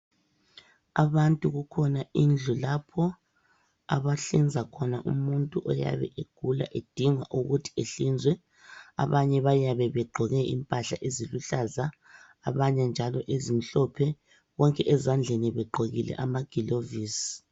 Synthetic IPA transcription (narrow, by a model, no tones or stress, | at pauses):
aβantʼuɣukʰɔnaind͡ɮʱulapʰɔ | a̰βaɬind͡zʱakʰɔnaʔṵmuntʼuʔɔja̰βɛ̰ʔeɡ̥ʱula̰ʔed̥ʱiŋwaʔuɣutʰi̥eɬind͡zʱwɛ | a̰βaɲɛβajaβɛβɛɡ͡ǃʱɔɣɛʔimpʼaɬaʔeziluɬazaː | βaɲɛnd͡ʒʱalɔʔezim̩ɬɔpʰɛ | ɣɔŋkʼɛʔɛzand͡ɮʱeniβɛɡ͡ǃʱoɣilɛ̰ʔamaɡ̥ʱiloviːsi̥